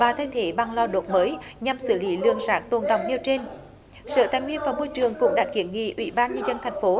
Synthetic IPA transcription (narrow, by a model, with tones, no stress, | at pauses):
vaː˨˩t̪ʰe˧ŋt̪ʰe˨˦ɓa˨˩ŋlɔ˧ɗo˨˩t̚məː˨˦jɲa˨˩msɨ˧˩li˨˦lɨ̰˧˨əŋzaː˨˦˥k̚t̪o˨˩nɗa˨˩wŋ͡mʔi˧əwt͡ɕe˧n | sə̰ː˧˩t̪aː˧˩jŋwi˧ənvaː˨˩mo˧jt͡ɕɨ˨˩əŋkʊ̰˧˥ŋ͡mɗaː˨˩t̚kḭ˧˩˦ənŋḭ˧˨ʔwḭ˧˩ɓaː˧nɲə˧nzə˧nt̪ʰɛ˨˩jŋ̟fo˨˦